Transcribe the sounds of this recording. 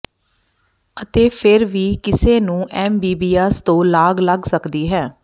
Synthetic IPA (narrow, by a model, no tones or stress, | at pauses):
ət̪eːpʰɪɾʋiːkɪseːnũːʔɛːmbiːbiːɛːst̪õːlaːɡləɡsəkd̪iːɦɛː